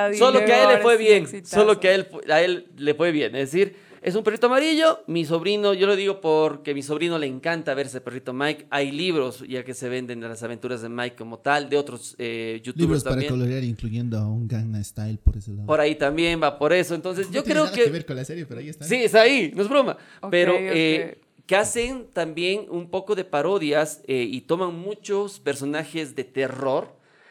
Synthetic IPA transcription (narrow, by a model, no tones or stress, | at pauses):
solokeaellːefweβjensolo̞keaelfae̞lːe̞fwe̞βje̞nezðes̬iɾ | e̞s̬umperit̪oamaɾiʎo̞mis̬o̞βɾino̞ʝo̞loðiɣo̞poɾke̞miso̞βɾino̞le̞ːŋkant̪aβe̞ɾseperit̪o̞majkajliβɾo̞sʝake̞se̞βe̞nd̪e̞nd̪elasaβe̞nt̪uɾazðe̞majkːo̞mo̞t̪ald̪eot̪ɾo̞seʝut̪liuβɾost̪apaɾaekoloɾjaɾiŋkluʝend̪oauŋɡɾaŋast̪ajlpoɾeselaðpoɾait̪ambje̞mbapo̞ɾe̞soent̪o̞ns̬esʝo̞kɾeokeβeɾkonlaseɾjepeɾaisiest̪ainoezβɾoma̰ | peɾoe | kease̞nt̪ambje̞numpo̞ko̞ðe̞paɾo̞ðjaseit̪o̞maŋmut͡ʃospe̞ɾso̞naxe̞zðe̞t̪e̞ro̞ɾ